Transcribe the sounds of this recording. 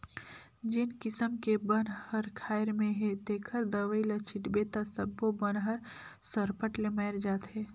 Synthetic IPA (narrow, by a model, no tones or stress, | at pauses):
d͡ʒɪnkɪsəmkebənhəɾkʰaːɪɾmẽɦet̪eːkʰəɾd̪əʋəilət͡ʃʰɪʈbeːt̪asəbːobənɦəɾ | səɾpəʈlemɛɪɾd͡ʒaːt̪ɦɛː